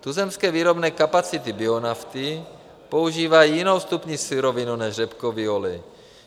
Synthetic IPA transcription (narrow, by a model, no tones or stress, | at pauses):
t̪uzɛmskɛːviːɾobnɛːkapat͡sɪt̪ɪbɪonaft̪ɪ | po̞uʒiːvajijino̞wst̪upɲisuɾovɪnunɛʒrɛpkoviolɪ